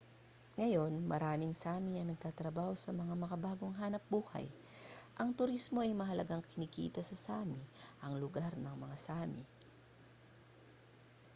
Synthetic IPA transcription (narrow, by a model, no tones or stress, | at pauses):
ŋɐjo̞nmɐɾaːmɪŋsaːmɪɐŋnɐɡ̚t̪aːt̪ɾɐbaːho̞sɐmɐŋamɐkɐbaːɡo̞ŋɦaːnɐp̚buːhɐ̰j | ʔɐŋt̪ʊɾismo̞ʔɐjmɐɦɐlɐɡaŋkɪnikḭːt̪ɐsɐsaːmɪʔɐŋlʊɡaɾnɐŋmɐŋasaːmɪ̰